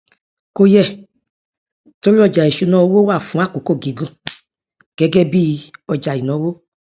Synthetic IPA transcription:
ko˧jɛ˦˨ | to˨˦ɾi˦ɔ˦˨d͡ʒa˨e˨ʃu˧˦nɔ̃˦˧˦wo˦wa˦˨fũ˨˦a˦˨ko˨ko˦˨ɡi˨˦ɡũ˦˨ | ɡ̥ɛ˨˦ɡɛ˦bi˦˧ɔ˧d͡ʒa˨i˨nɔ̃˨˦wo˦

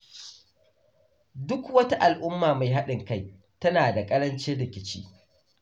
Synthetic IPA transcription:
dʊ˦kwɐ˦ta˦ʔa˨lʔʊ˦mːaː˨ma˨jɦa˦ɗɪ˨ŋka˦j | tɐ˦naː˨da˨kʼɐ˦ɾɐ˦nt͡ʃeː˦ɽɪ˨kʲɪ˦t͡ʃḭː˦

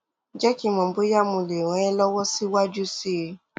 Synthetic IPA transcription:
d͡ʒɛ˦ki˦˨mɔ̃˨bo˨˦ja˦mũ˧le˨ɾ̃ɔ̃˨˦ɛ˦lɔ˦wɔ˦si˦wa˦d͡ʒu˦si˦˧

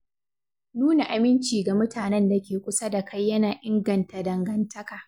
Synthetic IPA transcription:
nuː˦na˨ʔa˨mɪ˦nt͡ʃiː˨ɡa˨mʊ˦tʰaː˨nɛ˦nda˨kʲeː˨kʷʊ˦sa˦da˨kʰa˦jːɐ˦naː˨ʔɪ˦ŋɡɐ˨nta˨dɐ˨ŋɡɐ˨ntʰɐ˦kaː˨

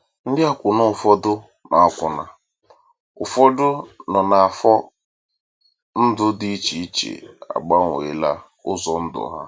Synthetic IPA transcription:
n̩˦dɪ˦a˦kʷʊ˨nʊ˦˨fɔ˦dʊ˦ | na˨a˨kʷʊ˨na˨ | ʊ˨fɔ˦dʊ˦nɔ˨na˨a˨fɔ˦ | n̩˦dʊ˦dɪ˦i˦t͡ʃi˨i˦t͡ʃḛ˨a̰˨ɡ͡ba˦ŋʷ˨ḛ˨la˦ | ʊ˦zɔ˨n̩˦dʊ̰˨˦ɦa̰˦

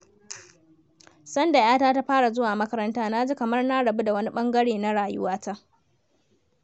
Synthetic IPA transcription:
sɐ˦nda˨jaː˦taː˦ta˦ɸaː˦ɽa˨zʊ˦waː˨mɐ˦kɐ˦ɾɐ˦ntaː˦na˦d͡ʒi˦kɐ˨mɐ˦rna˦ɽɐ˨bu˦da˨wɐ˦ni˦ɓɐ˦ŋɡɐ˦ɽeː˨na˦ɽaː˨jʊ̰˦waː˦ta˦ʔ

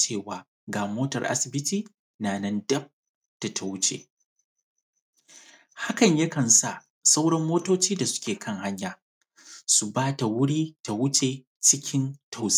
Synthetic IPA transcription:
t͡ʃeː˦˨waː˨ | ɡaː˨moː˦tɐ̰˨rʔa̰˦sɪ˨bɪ˦tiː˦ | naː˨nɐ˦ndɐ˦b̚ | d̥a˨tʰa˨wʊ˦t͡ʃḛː˨ | ha˦kɐ˨ɲjɐ˦kɐ˨nsa˦˨ | sa˦wɽɐ˦mːoː˦toː˦t͡ʃiː˦da˨sʊ̥˦kʲeː˨kʰɐ˦ŋha˦ɲjaː˨ | su˨baː˦ta˨wʊ˦ɽiː˦ta˨wʊ˦t͡ʃeː˨ | t͡ʃɪ˦kʲʰɪ˦ntʰa˦˨ws

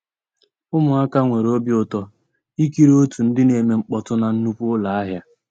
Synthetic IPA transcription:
ʊ˦mʊ˨a˦ka˦ŋʷe˨ɾo˦bjʊ˨tɔ˦ | i˦ki˦ɾo˦tu˨n̩˦dɪ˦ne˨me˨ŋ͡m̩˦k͡pɔ˦tʊ˦na˨n̩˦nu˦pʊ˦la˨a˦ɦja˦

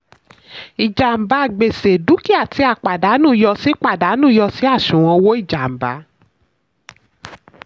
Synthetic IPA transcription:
i˨d͡ʒa˨m̩˨ba˧˨ɡ͡be˨se˨du˨˦ki˦a˦˨ti˧a˨k͡pa˨da˨˦nũː˦˨˧jɔ˧si˦k͡pa˦˨da˨˦nũː˦˨˧jɔ˧si˦a˦˨ʃũ˨w̃ɔ̃˧wo˦i˦˨d͡ʒa˨m̩˨ba̰˨˦

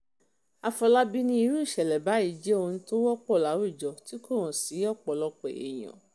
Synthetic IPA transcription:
a˧fɔ˧la˦bi˦nĩ˧i˧ɾu˦i˦˨ʃɛ˨lɛ˨ba˨˦i˦˨d͡ʒɛ˦o˧nũ˧˦to˦wɔ˦k͡pɔ˦˨la˨˦wu˦˨d͡ʒɔ˨ti˨˦ko˦˨ɾ̃ɔ̃˨si˨˦ɔ˦˨k͡pɔ˨lɔ˧k͡pɛ˨ḛ˨j̃ɔ̰̃˨

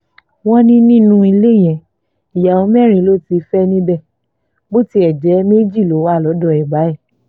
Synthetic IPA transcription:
wɔ̃˦nĩ˦nĩ˦nũ˦i˧le˦˨j̃ɛ̃˨ | i˨ja˨o˨˧˦mɛ˦˨ɾĩ˧˦lo˦˨ti˧˦fɛ˦nĩ˦bɛ˦˨ | bo˦ti˦ɛ˨d͡ʒɛ˨˦me˦d͡ʒi˦˨lo˨˦wa˦˨lɔ˨˦dɔ˦˨ɛ˨ɡ͡ba˨˦ɛ˦˨

